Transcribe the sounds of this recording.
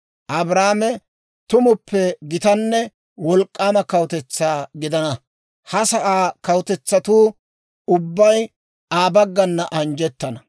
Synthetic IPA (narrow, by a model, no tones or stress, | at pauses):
ʔɐbɾaːmɛ | t̪ʊmʊpʰːɛɡɪt̪ɐnːɛ | wɔlkʼːaːmɐkɐwt̪ɛt͡sːaːɡɪd̪ɐnɐ | hɐsɐʔaːkɐwt̪ɛt͡sːɐt̪uː | ʊbːɐj | aːbɐɡːɐnːɐʔɐnd͡ʒɛt̪ːɐnɐ